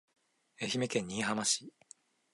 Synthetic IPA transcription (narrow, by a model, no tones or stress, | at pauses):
e̞çime̞kẽ̞ɲ̟ːiːhamaɕi̥